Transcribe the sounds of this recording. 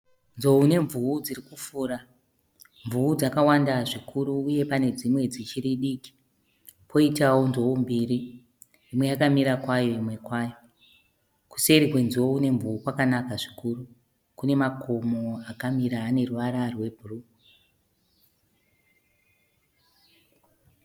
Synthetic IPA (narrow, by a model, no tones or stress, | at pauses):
nzo̞une̞ɱvuud͡zirikufuːɾa | ɱvuud͡zakawandaʐikʰuɾuːje̞pane̞d͡zimwe̞d͡zit͡ʃiriɗiːki̥ | pʰo̞itawo̞nzoumbiri | imwe̞akamiɾakwajoimwe̞kwaːjo̞ | ku̥seɾikwe̞nziwo̞une̞ɱvuukwakanakaʐi̥kuru | kune̞mako̞moakamiɾaːne̞ruʋaɾarwe̞bʱuru